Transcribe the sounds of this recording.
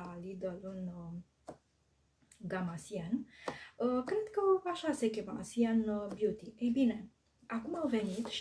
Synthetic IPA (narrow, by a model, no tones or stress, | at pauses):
alid̪olun | ɡamasiɛnəkɾɛd̪kəaʃasekʲema̰sianbjut̪iejbine | akumawvenit̪ʃ